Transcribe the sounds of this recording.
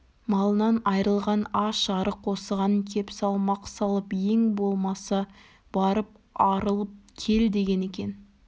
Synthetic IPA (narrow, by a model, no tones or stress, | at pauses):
mɑlˠənɑnɑjɾəlˠʁɑnɑʃɑɾəqʰːo̞səʁɑnəŋkʲʰe̞psɑlˠmɑqsɑlˠəpe̞ŋbo̞lˠmɑsɑ | b̥ɑɾəp̚ | ɑɾəlˠəp̚kʲʰe̞ld̪e̞ɡʲe̞ne̞kʲe̞n